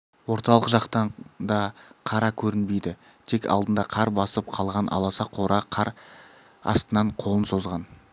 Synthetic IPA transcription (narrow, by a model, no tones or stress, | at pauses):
wo̞ɾt̪ɑlˠəqʒɑqt̪ɑɴd̪ɑqʰɑɾɑkʲʰɵɾɪnbe̞jd̪ɪ | t̪ʰe̞kʲɑ̰lˠd̪ənd̪ɑqʰɑɾbɑsəp̚qʰɑlˠʁɑnʔɑ̰lˠɑsɑqʰo̞ɾɑqʰɑɾ | ɑ̰st̪ənɑɴqʰo̞lˠənso̞zʁɑn